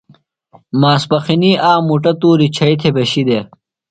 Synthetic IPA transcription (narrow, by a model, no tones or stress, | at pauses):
maːspɐxiniːʔaːmuʈɐt̪uːɾit͡ɕʰɐit̪ʰebɐɕid̪e